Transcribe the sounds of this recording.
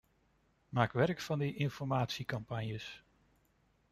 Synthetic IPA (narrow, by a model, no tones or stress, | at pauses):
maːkʋɛrɹkfɑndəʔɪnfɔɹmaːtsikɑmpɑnjəs